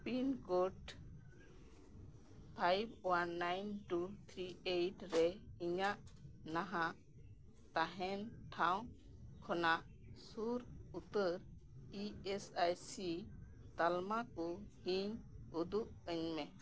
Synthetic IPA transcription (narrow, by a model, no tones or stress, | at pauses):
pinkɔʈ | pʰajbwanːajnʈut̪ʰɾiejʈɾɛiɲaʔnaɦãʔ | t̪aɦɛnʈʰaw̃ | kʰɔnaʔ | suɾut̪əɾ | iɛsajsi | t̪almakɔhiɲud̪uʔəɲmɛ